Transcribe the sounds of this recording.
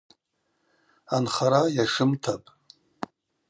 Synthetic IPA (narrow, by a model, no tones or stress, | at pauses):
anχaɾajaʂɨmtʰapʼ